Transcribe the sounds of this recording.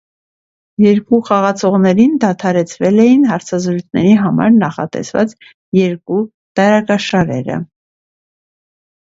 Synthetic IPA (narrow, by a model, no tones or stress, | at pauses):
jɛɾkuχɑʁɑt͡sʰɔʁnɛɾind̪ɑt̪ʰɑɾɛt͡sʰvɛlɛjinɦɑɾt͡sʰɑzɾujt͡sʰnɛ̰ɾiɦɑmɑ̰ɾnɑχɑ̰t̪ɛ̰svɑ̰t͡s | jɛɾku | t̪ɑɾɑkɑʃɑɾɛ̰ɾə̰